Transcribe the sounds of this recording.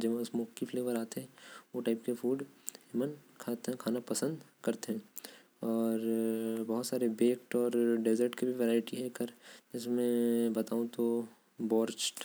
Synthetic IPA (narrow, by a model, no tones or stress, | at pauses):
d͡ʒɐ̃smoːkːifleːʋəɾaːt̪eɦɛ̃ʋoʈaːɪpkefuːɖɦɪmən | kʰaːt̪eɦɛ̃kʰaːnapɐsə̃nd̪kɐɾt̪eɦɛ̃ | ɔːɾbɐɦʊt̪saːɾebeːk̚ʈɔːɾɖeːzəɾʈkibʱiʋɛɾaːɪʈiɦɛ̃kəɾd͡ʒɪsmɛ̃bɐt̪aːũt̪o | bɔːɾt͡ʃʈ